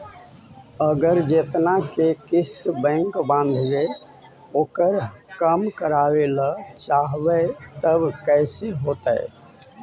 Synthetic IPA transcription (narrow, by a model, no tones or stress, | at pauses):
əɡəɾd͡ʒet̪nakekɪst̪bɛ̃ːŋkbãnd̪ʱɡe | oːkəɾkəmkəɾaːwelət͡ʃaːɦʋət̪əbkɛɪseɦoːt̪ə̰e